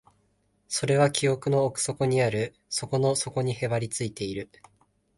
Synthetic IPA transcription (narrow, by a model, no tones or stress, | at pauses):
so̞ɾe̞β̞akʲio̞kɯ̟no̞ːkɯ̟̥so̞koɲ̟iaɾɯ̟ | so̞ko̞no̞so̞ko̞ɲ̟ihe̞βaɾʲit͡sɨit̪e̞iɾɯ̟